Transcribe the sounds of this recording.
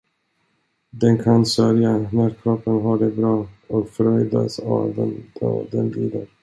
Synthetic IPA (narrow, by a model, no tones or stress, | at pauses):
d̪ɛnkʰansœɾjanæɾkʰɾɔpːənɦaɖɛbɾɑːɔkfɾœʏd̪a̰sa̰d̪ɛ̥d̪ɛnliːd̪əɾ